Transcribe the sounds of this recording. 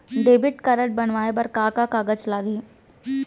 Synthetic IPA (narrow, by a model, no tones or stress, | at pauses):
ɖ̪eːbɪʈkɐɾəʈ̚bɐnʋaːebɐɾkaːkakaːɡəd͡ʒlaːɡeː